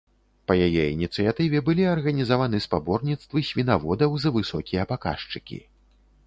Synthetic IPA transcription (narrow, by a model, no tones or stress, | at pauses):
pɐjajɛinʲit̪sɨjat̪ɨvʲɛbɨlʲiɐrɣɐnʲizavanɨspabɔrnʲit̪st̪vɨsʲvʲinavɔd̪ɐwzɐvɨsɔkʲijɐpaka̰ʂt͡ʂɨkʲḭ